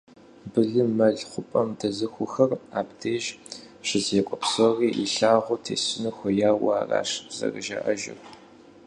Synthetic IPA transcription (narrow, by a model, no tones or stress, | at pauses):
bɨɮɨmɐɮχʷʊpʼɐmdɐzɨxʷʊxɐraːpdʰeːʒ | ɕɪzekʷʼɔpsoriːʔḭɬaːʁʷʊtʰḛːsɪnɨxʷɔjaːwaːra̰ːʂz̥ɐ̰rɨʒɐ̰ʔɐʒɪ̰r